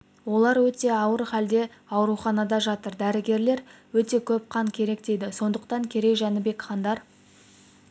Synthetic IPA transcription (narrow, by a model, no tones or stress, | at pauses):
wo̞lˠɑɾwɵt̪e̞ɑwəɾχæld̪e̞ | ɑwɾuχɑnɑd̪ɑʒɑt̪əɾd̪æɾɪɡʲe̞ɾle̞ɾwɵt̪e̞kʲʰɵp̚qʰɑŋkʲʰe̞ɾe̞kd̪e̞jd̪ɪso̞nd̪əq̚t̪ɑŋkʲʰe̞ɾe̞jʒɑnəbe̞kχɑnd̪ɑɾ